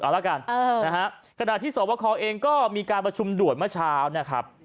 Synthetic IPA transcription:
ʔaː˨˩la˦˥˩ka˧nː˧na˦˥kʰa˦˥ʔ | kʰa˧na˨˩t̪ʰiː˥˩sɔː˨˦wa˦˧˥kʰɔː˧ʔeː˧ŋkɔː˥˩miː˧kaː˧npɾa˧t͡ɕʰu˧mdu˨˩ət̪̚mɯ˥˩ɐt͡ɕʰaː˦˥wn˥˩kʰɾa̰˦˥p̚

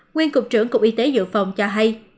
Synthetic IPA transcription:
ŋwi˧ənkʊ˨˩k͡p̚t͡ɕɨ˧˩əŋkʊ˨˩k͡p̚ʔi˧˦t̪e˨˦zɨ̰˧˨fa˨˩wŋ͡mt͡ɕɔ˧ɦa˧j

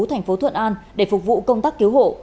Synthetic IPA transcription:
t̪ʰa˨˩jŋ̟fo˨˦t̪ʰwə̰˧˨nʔaː˧nɗe˧˩fʊ˨˩k͡p̚vṵ˧˨kə˧wŋ͡mt̪aː˦˥k̚ːi˨˦wɦo̰˧˨

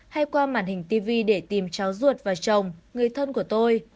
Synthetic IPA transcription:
ha˧jkwaː˧ma̰ː˧˨nhï˨˩ŋ̟t̪i˧vi˧ɗe˧˩t̪i˨˩mt͡ɕaː˨˦wzu˨˩ət̚vaː˨˩t͡ɕə˨˩wŋ͡mŋɨ˨˩əjt̪ʰə˧nku˧˩ət̪o˧j

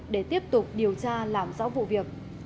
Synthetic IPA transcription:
ɗe˧˩t̪i˦˥əp̚t̪ʊ˨˩k͡p̚ɗi˨˩əwt͡ɕaː˧laː˨˩mzɔ̰ː˧˥wvṵ˧˨vi˨˩ək̚

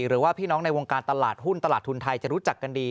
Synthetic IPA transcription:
ɾɯː˩˦waː˥˩pʰiː˥˩nɔː˦˥ŋna˧jwoː˧ŋkaː˧nt̪a˧laː˨˩t̪̚ɦu˥˩nt̪a˧laː˨˩t̪ʰːu˧nt̪ʰa˧jt͡ɕa˨˩ʔɾu˦˥t͡ɕa˨˩kːa˧ndiː˧

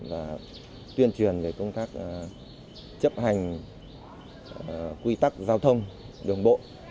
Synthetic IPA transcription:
vaː˨˩ | t̪wi˧ənt͡ɕwi˨˩ənve˨˩kə˧wŋ͡mt̪aː˦˥k̚ | t͡ɕə˦˥p̚ha˨˩jŋ̟ | kwi˧t̪a˦˥k̚zaː˧wt̪ʰə˧wŋ͡m | ɗɨ˨˩əŋɓo̰˧˨

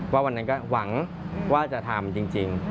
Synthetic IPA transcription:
waː˥˩wa˧nːa˦˥nkɔː˥˩wa˩˦ŋ | waː˥˩t͡ɕa˨˩t̪ʰa˧mt͡ɕi˧ŋt͡ɕi˧ŋ

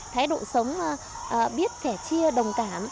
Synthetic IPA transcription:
t̪ʰaː˨˦jɗo̰˧˨sə˨˦wŋ͡maː˨˩ | ʔːɓi˦˥ət̚t̪ɛ˧˩t͡ɕi˧əɗə˨˩wŋ͡mkaː˧˩m

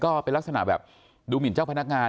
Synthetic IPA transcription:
kɔː˥˩pe˧nlk̚sa˧na̰˩˦bɛː˨˩p̚ | duː˧mi˨˩˦nt͡ɕaː˥˩wpʰna˦˥k̚ŋaː˧

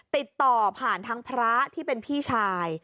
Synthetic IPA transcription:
t̪i˨˩t̪ːɔː˨˩pʰaː˨˩nt̪ʰa˦˥ŋpʰɾa˦˥t̪ʰiː˥˩pe˧npʰiː˥˩t͡ɕʰaː˧j

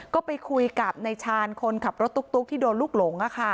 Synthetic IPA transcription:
kɔː˥˩pa˧jkʰu˧jka˨˩p̚na˧jt͡ɕʰaː˧nkʰo˧nkʰa˨˩p̚ɾo˦˥t̪ːu˦˥k̚t̪u˦˥k̚t̪ʰiː˥˩doː˧nluː˥˩k̚lo˩˦ŋʔa˧˩kʰa˥˩

